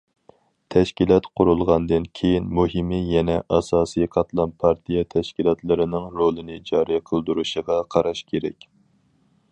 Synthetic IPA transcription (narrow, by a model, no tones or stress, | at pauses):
t̪ʰɛʃkʲilˠɑt̪qʰʊɾulˠʁɑnd̪ɨnkʲʰejinmuɦɨmɨjɛnɛʔɑsɑːsɨjqʰɑt̪lˠɑnpʰɑɾt̪ʰijɛt̪ʰɛʃkʲilˠɑt̪ʰlˠɨɾɨnɨŋɾolˠɨnɨd͡ʒɑːɾijqʰəlˠd̪uɾuʃəʁɑqʰɑɾɑʃkʲʰeɾɛkʲ